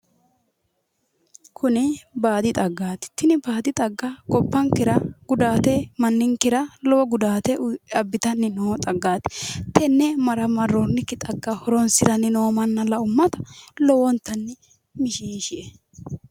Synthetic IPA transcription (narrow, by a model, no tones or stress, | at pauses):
kʰʊnɪbaːd̪ɪt̪ʼɐɡːaːt̪ɪ̥t̪ɪnɪbaːd̪ɪt̪ʼɐɡːɐkʼɔpːɐŋkɪɾɐɡ̥ʊd̪aːt̪ɛmɐnːɪŋkɪɾɐlɔwɔɡʊd̪aːt̪ɛʔʊɐbːɪt̪ɐnːɪnoːt̪ʼɐɡːaːt̪ɪ̥t̪ɛnːɛmɐɾɐmɐrɔnːɪkːɪt̪ʼɐɡːɐhɔɾɔnsɪɾɐnːɪnoːmɐnːɐlɐʊmːɐt̪ɐ̥lɔwɔnt̪ːɐnːɪ | mɪʃiːʃɪʔɛ